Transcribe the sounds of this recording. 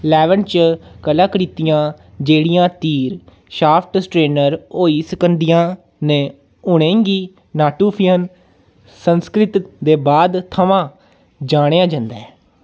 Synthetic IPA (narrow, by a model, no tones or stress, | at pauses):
lɛːʋənt͡ʃkəlãːkəɾiːt̪ɪjãː | d͡ʒeːɽɪjãːt̪iːɾ | ʃaːpʰʈsʈɾeːnəɾoːiːsɪkənd̪ɪjãː | nẽː | ʊɽẽːŋɡiː | naːʈuːpʰɪjən | sənskɾɪt̪d̪eːbaːd̪t̪ʰəʋãː | d͡ʒaːɽ̃ejãːd͡ʒãnd̪aɛː